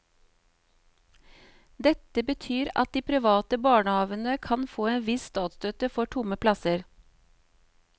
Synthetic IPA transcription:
d̪ɛt̪əbət̪ʰyːɾɑ̰t̪̚d̪iːpʰɾɪʋɑːt̪əbɑːɳəhɑːʋənəkʰɑnfoːeːnʋɪsst̪ɑːt̪st̪øːt̪əfɔʈʰʊməpʰlɑsəɾ

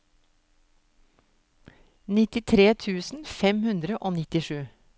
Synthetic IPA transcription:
nɪt̪ɪt̪ʰɾeːt̪ʰʉːsn̩fɛmhʉnd̪ɾəʔoːnɪt̪ɪʃʉː

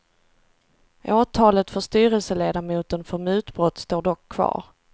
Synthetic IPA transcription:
ʔoːt̪ʰɑːlət̪fœʂt̪yːɾəlsəleːd̪amuːt̪ənfœɾmʉ̟ːt̪bɾɔt̪ːst̪oːɖɔkʰːvɑ̰ːɾ

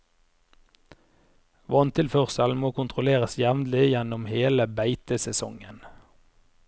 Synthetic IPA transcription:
ʋɔnt̪ʰɪlfœʁsəlmoːkʰʊnt̪ʰʁʊleːʁəsjɛʋnlɪjɛnʊmheːləbæɪt̪əsɛsɔ̰ŋən

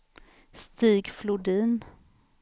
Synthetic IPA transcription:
st̪iːɡflʊɖiːn

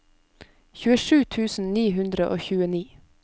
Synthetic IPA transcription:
çʉːəʃʉːt̪ʰʉːsn̩niːɦʉnd̪ɾəʔoːçʉːəniː

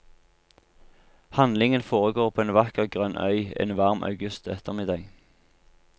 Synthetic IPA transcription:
hɑnlɪŋənfoːʁəɡoːʁpʰoːeːnʋɑkəɡʁœnʔœ̰ʏḛːnʋɑʁmʔɑ̰ʉɡʉst̪ɛt̪ʰəʁmɪd̪ɑːɡ

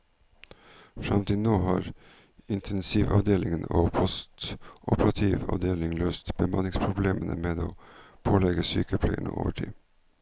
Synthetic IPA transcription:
fɾɑmt̪ɪnoːhɑːɾ | ɪnt̪ʰɛnsiʋɑ̰ʋd̪eːlʔɪŋnoːpʰɔst̪ʔɔpəɾɑt̪ʰiːʋɑ̰ʋd̪eːlɪŋløːst̪b̥əmɑnɪŋspʰɾʊbleːmənəmeːd̪oːpʰoːlɛɡəsyːkəpʰlɛɪənə̰ʔo̰ːʋəʈʰḭː

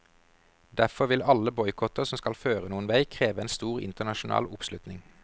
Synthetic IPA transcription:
d̪æfɔʋɪlɑləbɔʏkʰɔt̪əʁsɔmskɑlføːʁənuːənʋæɪkʰʁeːʋəeːnst̪uːʁɪ̰nt̪ənɑʃʊn̩ɑ̰ːlʊpslʉt̪nɪŋ

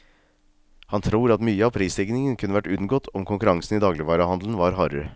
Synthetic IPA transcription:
hɑnt̪ʰɾuːɾɑt̪myːəɑːpʰɾiːslɪɡnɪŋənkʰʉnːəʋæʈʉnɡɔt̪ʰɔmkʰʊŋkʉɾɑŋsn̩iːd̪ɑːɡlɪʋɑːɾɑhɑnd̪ln̩ʋɑːɾɦɑɾə̰

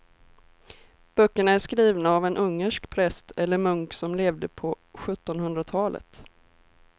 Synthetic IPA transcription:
b̥œkːəɳaæʂkɾiːvnaːvɛnʔɵŋːəʂkpʰɾɛst̪ʰɛlːəɾmɵŋksɔmleːvd̪əpʰɔ | ɧɵt̪ːɔnhɵnd̪ɾat̪ʰɑːlʔə̰t̪

